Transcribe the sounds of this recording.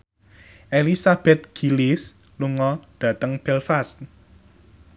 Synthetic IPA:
ʔelisab̥ɛt̪̚ɡ̥i̤lis | luŋɔɖ̥ä̤t̪əŋb̥ɛlfast̪̚

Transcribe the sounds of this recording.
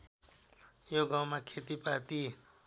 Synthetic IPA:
joɡãw̃makʰet̪ipat̪i

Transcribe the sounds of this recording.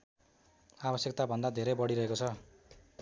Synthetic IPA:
abʌsjʌk̚t̪abʱʌnd̪ad̪ʱeɾʌjbʌɽiɾʌɦekot͡sʰʌ

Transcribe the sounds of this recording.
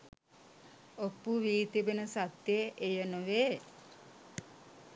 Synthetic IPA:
opːuʋiːt̪ibenəsat̪jeʔejənoʋe

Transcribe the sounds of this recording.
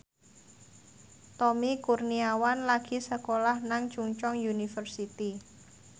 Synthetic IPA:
t̪ɔmikurniawanlaɡ̥i̤səkolahnaŋt͡ʃuŋt͡ʃɔŋjunifərsit̪i

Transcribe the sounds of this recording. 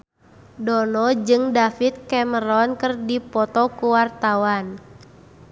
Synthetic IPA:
dɔnɔd͡ʒɨŋdafit̪̚kɛməɾɔnkɨrdipɔt̪ɔkuwart̪awan

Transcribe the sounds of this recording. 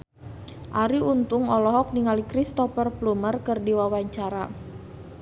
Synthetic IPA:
ʔaɾiunt̪ʊŋɔlɔɦɔk̚niŋalikɾist̪ɔfərplumərkɨrdiwawaɲt͡ʃaɾa

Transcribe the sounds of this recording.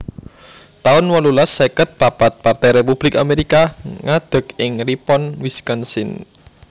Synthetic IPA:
t̪aʊnwɔlulasːekət̪̚papat̪̚part̪ɛjɾepub̥lɪka̰meɾikaŋad̪̥ə̤kɪŋripɔnwiskɔnsɪn

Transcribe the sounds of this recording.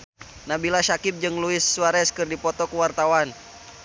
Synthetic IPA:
nabilaʃakɪp̚d͡ʒɨŋluɪsːuaɾɛskɨrdipɔt̪ɔkuwart̪awan

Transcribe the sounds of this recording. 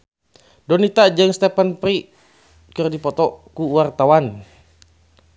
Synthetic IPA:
dɔnit̪ad͡ʒəŋst̪ɛpənpɾi | kɨrdipɔt̪ɔkuwart̪awan

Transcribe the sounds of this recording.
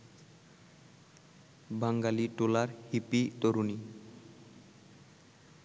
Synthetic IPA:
baŋɡaliʈolaɾhipit̪oɾuni

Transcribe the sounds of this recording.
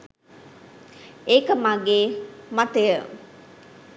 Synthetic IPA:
ekəmaɡeːmat̪ejə

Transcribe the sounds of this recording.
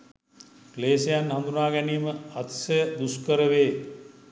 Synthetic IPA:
kleːsejanɦand̪unaːɡæniːməat̪səbuskəɾəʋeː

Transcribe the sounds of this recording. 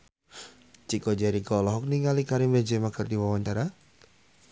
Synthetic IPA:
t͡ʃikɔd͡ʒaɾikɔlɔɦɔk̚niŋalikaɾɪmbad͡ʒɛmakərd̪iwawaɲt͡ʃaɾa

